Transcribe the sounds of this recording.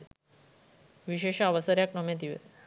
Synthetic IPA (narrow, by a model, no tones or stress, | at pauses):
ʋiɕeɕaʋəsəɾjaknomẽt̪̬iʋḛ